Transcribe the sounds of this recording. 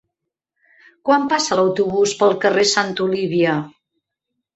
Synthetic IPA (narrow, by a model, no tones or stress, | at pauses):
kwampasələwt̪uβuspəlˠkəresant̪uliβiə